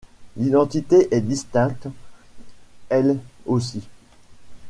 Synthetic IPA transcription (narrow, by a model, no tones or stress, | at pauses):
lid̪ɑ̃t̪it̪eʔɛd̪ist̪ɛ̃k̚t̪ | ɛlosi